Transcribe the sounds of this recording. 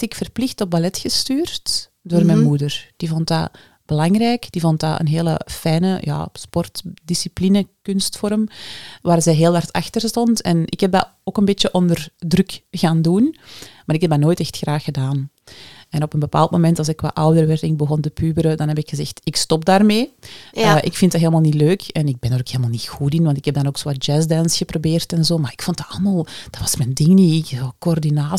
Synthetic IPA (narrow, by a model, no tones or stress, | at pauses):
tɪkfərplɪxtɔp̚balɛtxəstyːrt | doːrmɛnmudərd̥ivɔntda̰ | b̥əlɑŋrɛːkd̥ivɔntda̰ʔə̰nɦeːlə̰fɛjnəja̰ːspɔrtdisiplinəkɵnstfɔrmʋaːrzɛːɦeːlˠɦɑrtɑ̰xtərstɔntɛ̰nʔɪ̰khɛb̚da̰ | oːkənbeːtəʔɔndərdrɵkɣaːndunmaːɾɪkɦɛb̚danoːjtɛxtxraːxədaːn | ɛnɔpənbəpa̰ːlˠtmomɛntɑlˠsɪkːwa̰ːʔɑwdərʋɛrtɪŋbəɣɔntəpyːbəɾədɑnɦɛpɪkxəzɛxtɪkstɔp̚daːrmeːəʔɪkfɪntdaɦeːləmalˠnitløːkɛnɪɡ̚bɛndaɾoːkheːləmaːlˠnitxutɪnwɑntɪkhɛb̚dɑnoːksoːad͡ʒɛzdɛnsxəprobeːrtɛnzoːmaːɪkfɔntdaɑlˠəmaːlˠd̥ɑtʋɑsmɛndɪŋniɪkokoɔrdinaː